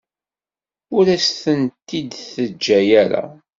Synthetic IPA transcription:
ʊɾæsθənt̪ːid̪θəd͡ʒːæjæɾa̰

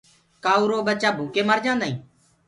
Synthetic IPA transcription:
kaːuːɾoːɓət͡ʃaːbʱuːkeːməɾd͡ʒãːnd̪aːĩː

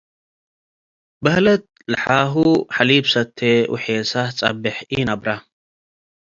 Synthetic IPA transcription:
bɐhlɐt̪̚ | lɐħaːɦuħaliːbsɐt̪ʰːeʔʊ̰ħeːsat͡sʼɐ̰bːɪħʔinɐbɾa

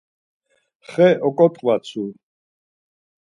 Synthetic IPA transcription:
χɛʔɔkʼɔt̪ʼqʼvat͡sʰu

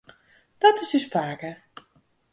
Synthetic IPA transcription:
dɔtɪsyspaːkə

